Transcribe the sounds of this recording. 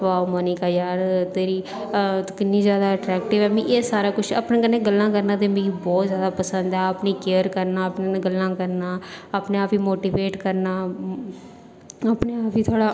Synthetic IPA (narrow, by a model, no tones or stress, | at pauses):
ʋaːoməniːkaːjaːɾt̪eːɾiː | t̪kɪnːiːzjaːd̪aːəʈɾɛːkʈɪʋɛːmĩʔeːsaːɾaːkʊt͡ʃʰa̰ːpnẽːkənːẽːɡəlːãːkəɾnãːt̪eːmĩːbɔːt̪zjaːd̪aːpəsənd̪ɛːəpniːkeːəɾkəɾnaːəpneːnẽɡəlːãːkəɾnaːaːpneːaːpiːmoːʈiːʋeːʈkəɾnaː | apneːaːpiːt̪ʰoaːɽaː